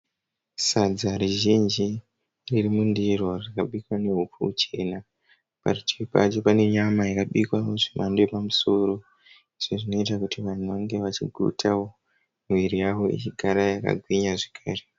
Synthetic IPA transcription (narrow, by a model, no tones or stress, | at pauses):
sad͡zaɾiʒind͡ʒi | ririmundiro̞rikaɓikwane̞ɦupuut͡ʃe̞na | pa̰rit͡ʃeipa̰t͡ʃo̞pane̞ɲamajikaɓikwaoʐimʔandepamuso̞ɾo̞ | iʐ̥oʐino̞itakutiʋan̤uʋaŋɡe̞ʋat͡ʃiɡʱṵtʰao | mwiɾijaʋo̞ḭt͡ʃiɡʱaɾajaka̰ɡʱwiɲaʐekʰaːre